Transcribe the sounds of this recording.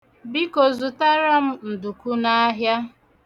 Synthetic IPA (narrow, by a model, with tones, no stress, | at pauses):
bi˦ko˨zu˨ta˦ɾa˦m̩˦n̩˨du˨ku˦na˦ɦja˦